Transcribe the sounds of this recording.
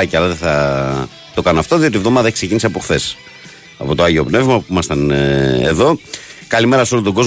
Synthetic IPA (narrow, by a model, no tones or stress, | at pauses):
ɐceɐlɐðeθɐ | t̪o̞kɐnoɐft̪o̞ðio̞t̪ivðo̞mɐðekse̞ciniseɐpo̞xθe̞s | ɐ̰po̞t̪oɐʝio̞pne̞vmɐpuimɐst̪ɐnḛðo̞kɐlime̞ɾɐsolot̪oɡo̞z